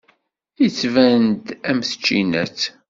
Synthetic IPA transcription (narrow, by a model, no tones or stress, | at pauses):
it͡sːvænd̪æmθə̥t͡ʃːḭnæt͡s